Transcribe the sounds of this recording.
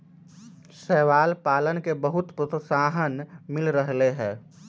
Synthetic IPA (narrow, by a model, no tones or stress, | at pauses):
sɛːʋaːlpaːlənkebəɦʊt̪pɾət̪saːɦənmɪlɾəɦleɦɛ̃ː